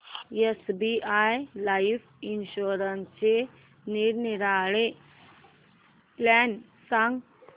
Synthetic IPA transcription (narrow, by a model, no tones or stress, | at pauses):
jesbiajlaif | inɕoɾənt͡ɕe | niɾniɾaɭe | plɛn | saŋɡ